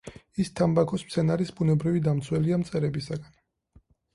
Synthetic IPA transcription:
ist̪ʰambakʰɔsmsʰɛnaɾisbunɛbɾivid̪amt̪sʰwɛliamt̪sʼɛɾɛbisaɡan

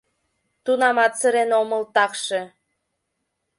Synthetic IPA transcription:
t̪unɑmɑt̪səɾenoməlt̪ɑkʃe

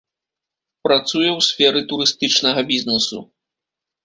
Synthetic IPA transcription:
pɾat̪sujɛwsʲfʲɛɾɨt̪uɾɨst̪ɨt͡ʂnɐɣɐbʲiznɛsṵ

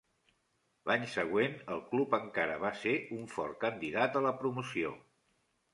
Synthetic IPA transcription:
lʔaɲsəɣ̞wenəlˠklupəŋkaɾəβ̞aseuɱfɔ̰ɾkənd̪iðat̪ələpɾumusio̰

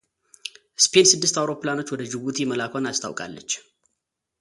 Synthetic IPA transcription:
spʰensɨd̪ːɨst̪awɾo̞pːɨlano̞t͡ʃːwɔd̪əd͡ʒɨβut̪ʰiməlakʷʰonast̪ʰa̰wkʼa̰lːət͡ʃː

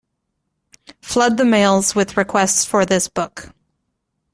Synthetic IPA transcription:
flʌd̪̚ðɨmeɪlˠzwɨðɹɨkʰw̥ɛstsfə˞ðɪsb̥ʊk

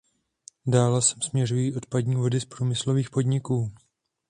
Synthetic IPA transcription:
daːlɛsɛ̥msmɲɛrujiːʔo̞t̪̚padɲiːvo̞dɪspɾuːmɪslo̞viːxpo̞dɲɪkuː

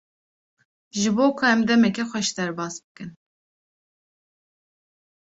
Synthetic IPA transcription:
ʒɨboːkʰʊɛmd̪ɛmɛkʲɛxʷɛʃd̪ɛɾbɑːsbɨkɨn

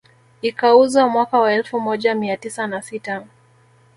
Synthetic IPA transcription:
ikauzwamwakawaɛlfumɔʄamiatisanasita

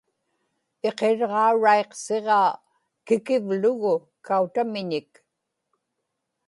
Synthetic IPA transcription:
e̞qe̞ɻʁɑuɻaeqse̞ʁɑː | kɪkɪvlʊɣʊ | kaut̪amɪɲɪk

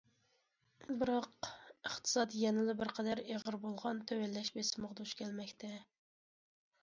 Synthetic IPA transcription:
bɨɾɑqəχt̪ʰɨ̥sɑt̪jɛnɪlɪbɪɾqʰɛd̪æɾeʁəɾbolˠʁɑnt̪ʰɛwælːɛʃbesɪməʁd̪uʃkʲʰɛlmɛkʲt̪ʰɛ

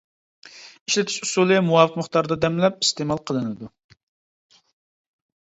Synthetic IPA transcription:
iʃlɪt̪ʰɪ̥ʃusulˠɨmuwɑvɨt̪məχt̪ɑɾd̪ɑd̪ɛmlɛp̚ist̪emɑlˠqʰəlˠɨnɨd̪u

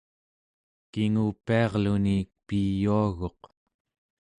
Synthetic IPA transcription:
kiŋupːiɑʁlunipijuaɣo̞q

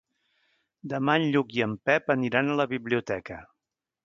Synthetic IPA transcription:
d̪əmaɲʎukiəmpɛpəniɾanələβiβliut̪ɛkə

